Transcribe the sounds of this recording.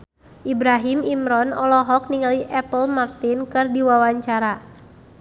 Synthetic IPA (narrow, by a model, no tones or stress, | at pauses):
ʔibɾaɦimimɾɔnɔlɔɦɔk̚niŋaliʔɛpəlmart̪inkɨrdiwawaɲt͡ʃaɾa